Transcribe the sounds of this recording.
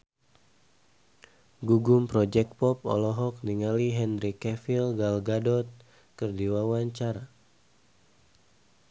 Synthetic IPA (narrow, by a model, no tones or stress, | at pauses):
ɡuɡumpɾɔd͡ʒɛk̚pɔp̚ɔ̰lɔɦɔk̚niŋaliɦɛnɾikɛfilɡalɡadɔt̪̚ | kərdiwawaɲt͡ʃaɾa